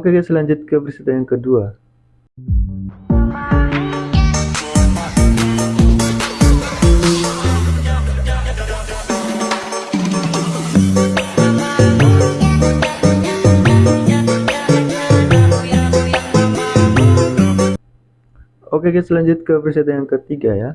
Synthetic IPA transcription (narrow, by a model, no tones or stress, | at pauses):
okekasəlaɲd͡ʒʊt̪̚kəpərsiat̪ajaŋkədua | okekɛsəlaɲd͡ʒut̪̚kəprisit̪ajaŋkət̪iɡaja